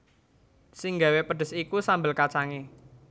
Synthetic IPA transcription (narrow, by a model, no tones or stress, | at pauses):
sɪŋɡa̤wepəɖ̥ə̤sikusambəlkat͡ʃaŋe